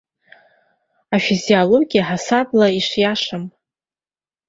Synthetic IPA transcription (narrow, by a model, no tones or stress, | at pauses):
afizialo̞ɡʲijaħasablaiʂjaʂam